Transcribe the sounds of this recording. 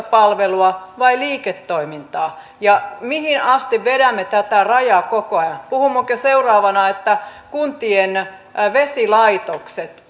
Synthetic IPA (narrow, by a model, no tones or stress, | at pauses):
pɑlʋeluɑʋɑiliːket̪ːoimint̪ɑː | jɑmihinɑst̪iʋʋeɾæmːet̪æt̪ærɑjɑːkokoɑjɑnpuhumːokøseurɑːʋɑnɑet̪ːækunt̪ien | ʋesilɑit̪okset̪